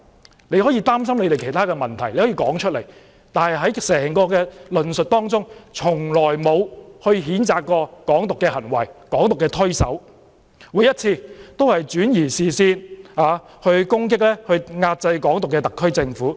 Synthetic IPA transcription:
le˨˧jhɔː˨˥jiː˧t̪aː˥msɐ˥mle˨˧jɾe˨˩jkʰe˨˩t̪aː˥kɛː˧mɐ˨˩nt̪ʰɐ˨˩jle˧jhɔː˨˥jiː˧kɔː˨˥ŋt͡ʃʰɵ˥le˨˩j | t̪aː˨nhɐ˨jɦɐ˨˥jsɛː˨˩ŋkɔː˧kɛː˧lɵ˨nsɵ˨t̚t̪ɔː˥ŋt͡sʊ˥ŋt͡sʰʊ˨˩ŋlɔː˨˩jmo˨˧whɵ˧ɥɦiː˨˥nt͡saː˨kkːɔː˧kɔː˨˥ŋt̪ʊ˨kːɛː˧hɐ˨˩nwɐ˨˩jkɔː˨˥ŋt̪ʊ˨kːɛː˧t̪ʰɵ˥ɥsɐ̰˨˥w | wu˨˩jɐ˥t̚t͡sʰiː˧t̪o˥whɐ˨jt͡ʃyː˨˥njiː˨˩siː˨˩siː˧naː˨˧ | hɵ˧ɥkʊ˥ŋk̬ɪ˥k̚lɛː˥hɵ˧ɥŋaː˧t̚t͡sɐ˧jkɔː˨˥ŋt̪ʊ˨kːɛː˧t̪ɐ˨kʰːɵ˥ɥt͡sɪ˧ŋfuː˨˥

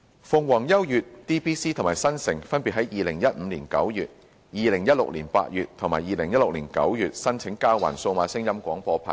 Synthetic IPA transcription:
fʊ˨˧ŋwɔː˨˩ŋjɐ˥wjyː˨t̚t̪iː˥piː˥siː˥t̪ʰmaː˨˩jsɐ˥nsɪ˨˩ŋfɐ˥npi˨ɦɐ˨˦˥jjiː˨˧lɪ˨˩ŋjɐ˥t̚m̩ː˨˧liː˨˩nkɐ̰˨˥wjyː˨t̚ | jiː˨˧lɪ˨˩ŋjɐ˥t̚lʊ̰˨k̚liː˨˩npa̰ː˧t̚jyː˨t̚t̪ʰʊ˨˩ŋmaː˨˩jiː˨˧lɪ˨˩ŋjɐ˥t̚lʊ˨k̚liː˨˩nkɐ̰˨˥wjyː˨t̚sɐ˥nt͡sʰɪ˨˥ŋkaː˥wa̰ː˨˩nso˧wmaː˨˥sɪ˥ŋjɐ˥mkʷɔː˨˥ŋpɔː˧pʰa̰˨˩n

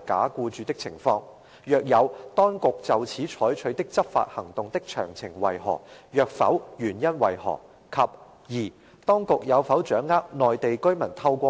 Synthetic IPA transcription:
ka̰ː˨˥kuː˧t͡ʃyː˨˧t̪ɪ˥k̚t͡sʰɪ̰˨˩ŋfɔː˧ŋ | jœː˨k̚jɐ˨˧wt̪ɔː˥ŋkʊ˨k̚t͡sɐ˨wt͡sʰiː˨˥t͡ʃʰɔː˨˥jt͡ʃʰɵ˨˥ɥt̪ɪ˥k̚t͡sɐ˥p̚fa̰ː˧t̚hɐ˨˩ŋt̪ʊ˨ŋt̪ɪ˥k̚t͡ʃʰœ̰ː˨˩ŋt͡sʰɪ˨˩ŋwɐ̰˨jɦɔ̰ː˨˩k̚jœː˧k̚fɐ̰˨˥wjyː˨˩njɐ˥nwɐ˨˩jhɔ̰ː˨˩ | kʰɐ˨p̚ | jiː˨˩ | t̪ɔː˥ŋkʊ˨k̚jɐ˨˧wfɐ˨˥wt͡ʃœː˨˥ŋːaː˥k̚nɔː˨jt̪e˨jkɵ˥ɥmɐ˨˩nt̪ʰɐ˧wkʷɔː˧

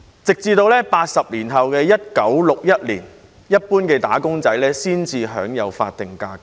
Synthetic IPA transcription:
t͡sɪ˨k̚t͡siː˧t̪o˧wlɛː˥paː˧t̚sɐ˨p̚liː˨˩nɦɐ˨wkɛː˧jɐ˥t̚kɐ˨˥wlʊ˨k̚jɐ˥t̚liː˨˩n | jɐ˥t̚puː˥nkɛː˧t̪a̰ː˨˥kʊ˥ŋt͡sɐ˨˥jlɛː˥siː˥nt͡siː˧ɦœ̰ː˨˥ŋjɐ˨˧wfa̰ː˧t̚t̪ɪ˨ŋka̰ː˧k̚

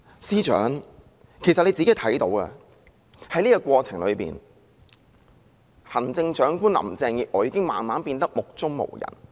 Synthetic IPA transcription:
siː˥t͡ʃœ̰ː˨˥ŋ | kʰe˨˩jsɐ˨le˨˧t͡siː˨˥ke˨˥t̪ʰɐ˨˥jt̪o̰˨˥wkɛ̰˧ | hɐ˨˥jliː˥kɔ˧kʷɔː˧t͡sʰɪ˨˩ŋlɵ̰˨˧ɥpḭː˨˩n | hɐ˨˩nt͡sɪ˧ŋt͡ʃœː˨˥ŋkuː˥nlɐ̰˨˩mt͡sɛː˧ŋji˨k̚ʔɔː˨˥jiː˧kɪ˥ŋmaː˨nmaː˨˥npiː˧nt̪ɐ˥k̚mʊ˨k̚t͡sʊ˥ŋmo̰˨˩wjɐ̰˨˩n

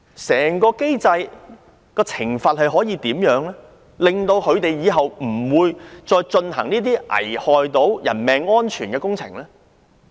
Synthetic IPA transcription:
sɛː˨˩ŋkɔː˧ke˥jt͡sɐ˧j | kɔː˧t͡sʰɪ˨˩ŋfaː˨t̚hɐ˨jɦɔː˨˥jiː˧t̪iː˨˥mjœː˨˧˥ŋlɛː˥ | lɪ˨ŋt̪o˧wkʰɵ˨˧ɥt̪e˨jjiː˨˧ɦɐ˨wm̩˨˩wuː˨˧jt͡ʃɔː˧jt͡ʃɵ˧nhɐ̰˨˩ŋniː˥t̪̬iː˥ʔɐ̰˨˩jhɔː˨jt̪o˨˥wjɐ̰˨˩nmɛː˨˧ŋːɔː˥nt͡ʃʰyː˨˩nkɛː˧kʊ˥ŋt͡sʰɪ̰˨˩ŋlɛː˥

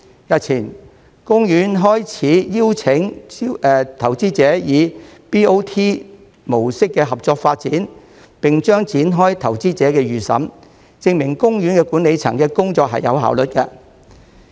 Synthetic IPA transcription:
jɐ˨t̚t͡sʰiː˨˩n | kʊ˥ŋjyː˨˥nɦɔː˥jt͡sʰiː˨˥jiː˥wt͡sʰɪ˨˥ŋː˧ | t̪ʰɐ˨˩wt͡siː˥t͡sɛː˨˥jiː˨˧piː˥o˥wt̪ʰiː˥ | mo˨˩wsɪ˥kːɛː˧ɦɐ˨p̚t͡sɔː˧k̚faː˧t̚t͡siː˨˥n | pɪ˨ŋt͡ʃœː˥ŋt͡siː˨˥nɦɔː˥jt̪ʰɐ˨˩wt͡siː˥t͡sɛː˨˥kɛː˧jyː˨sɐ̰˨˥m | t͡sɪ˧ŋmɪ˨˩ŋkʊ˥ŋjyː˨˥nkɛː˧kuː˨˥ne˨˧jt͡sʰɐ̰˨˩ŋkɛː˧kʊ˥ŋt͡sɔː˧k̚ɦɐ̰˨jːɐ̰˨˧wɦa̰ː˨˥wlɵ˨t̚kɛː˧

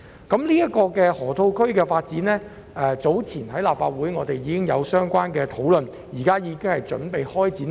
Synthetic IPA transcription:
kɐ˨˥mliː˥jɐ˥t̚kɔː˧kɛː˧hɔː˨˩t̪ʰo˧wkʰɵ˥ɥkɛː˧faː˧t̚t͡siː˨˥nlɛː˥ | ʔɛː˧t͡so˨˥wt͡sʰiː˨˩nɦɐ˨˥jlaː˨p̚fa̰ː˧t̚wuː˨˥jŋɔː˨˧t̪e˨jiː˨˧kɪ˥ŋjɐ˨˧wsœː˥ŋkʷaː˥nkɛː˧t̪ʰo˨˥wlɵ˨n | jiː˨˩kaː˥jiː˨˧kɪ˥ŋhɐ˨jt͡ʃɵ̰˨˥npe˨jhɔː˥jt͡siː˨˥n

